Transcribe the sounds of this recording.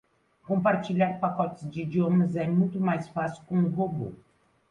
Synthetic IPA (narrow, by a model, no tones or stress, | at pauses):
kõmpaɾt͡ʃiʎaɾpakɔt͡ʃ̪ɪzd͡ʒɪid͡ʒiomɐzɛmũj̃t̪ʊmajsfasi̥kõʊɦobo̰